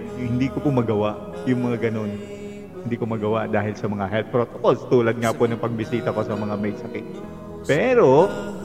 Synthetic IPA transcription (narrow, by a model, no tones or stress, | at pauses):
hɪnd̪iːkopomɐɡɐwaʔ | jʊŋmɐŋaɡɐno̞n | hɪnd̪iːkomɐɡɐwaʔd̪aːhɪlsɐmɐŋaɦɛlt̪̚pɹo̞ːt̪okolst̪uːlɐd̪̚ŋaponɐŋpɐɡ̚bɪsiːt̪ɐko̞sɐmɐŋamɐjsɐkɪt̪̚ | pɛːɾo̞